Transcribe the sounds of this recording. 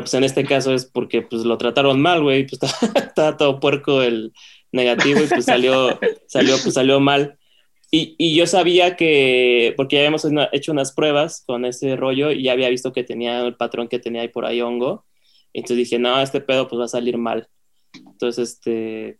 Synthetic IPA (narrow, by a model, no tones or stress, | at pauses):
pwese̞ne̞st̪e̞kas̬o̞e̞spo̞ɾke̞pwezlo̞t̪ɾat̪aɾo̞nmalɣwe̞jpwest̪at̪aβat̪oðopwe̞ɾkoel | ne̞ɣat̪iβo̞ipwesaljo̞saljo̞pwesːaljo̞mal | iiʝo̞saβ̞iake̞poɾke̞ʝaβiamosʔe̞t͡ʃo̞unaspɾwe̞β̞asko̞ne̞se̞ro̞ʝo̞iʝaːβ̞iaβist̪o̞ke̞t̪e̞niaulpat̪ɾo̞ŋke̞t̪e̞niaipo̞ɾʔa̰io̞ŋɡo̞ | ḛnonsezðixe̞no̞est̪e̞pe̞ð̞o̞pwezβasaliɾma̰l | ent̪onsesest̪e